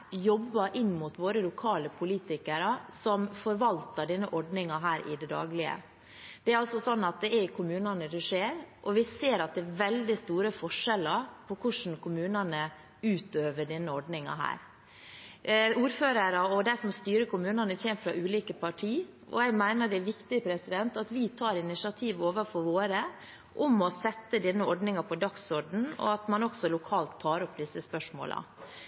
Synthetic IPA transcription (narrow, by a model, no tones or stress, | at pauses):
jɔbːɑɾʔɪnːmʊt̪ʋoːɾəlʊkʰɑːləpʰʊliːt̪ɪkəɾɑsɔmfɔɾʋɑlt̪ɑɖɛnːəʔɔɖnɪŋɑɦæːɾʔɪ̰d̪ɛd̪ɑ̰ːɡlɪə̰ | d̪ɛæɾɑlsɔsɔnːɑt̪̚d̪ɛæɾkʰʊmʉːnɑnəd̪ɛʂeːɾʔɔʋɪseːɾɑt̪̚d̪ɛæʋɛld̪ɪst̪uːɾəfɔʂɛləɾpʰɔkʰʊʂn̩kʰʊmʉːnɑnə | ʉːt̪øːʋəɖɛnːəɔɖnɪŋɑ̰ɦæ̰ːɾ | uːɾføːɾɑɾɑɔd̪æɪsɔmst̪yːɾəkʊmʉːnɑnəçɛːmfɾɑʔʉːliːkəpɑʈʰiː | ɔ̰jæɪmæɪnəɖɛæʋɪkt̪ɪpʰɾɛsɪd̪ɛnt̪ɑt̪ʋɪt̪ʰɑːɾɪnɪsɪɑt̪ʰiːʋoːʋəfɔɾʋoːɾə | ʔʊmɔsɛt̪ːəd̪ɛnːəɔɖnɪŋɑpʰɔd̪ɑksɔɖn̩ɔ̰ɑt̪mɑnɔksɔlʊkʰɑːlt̪ʰːɑːɾɔpːd̪ɪsəspœʂmo̰ːlʔɑ̰